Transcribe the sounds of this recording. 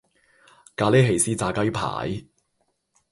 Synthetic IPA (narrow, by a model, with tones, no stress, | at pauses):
kaː˨˧le˥ɦe˨˩jsiː˥t͡saː˧kɐ˥jpʰa̰ː˨˩˥j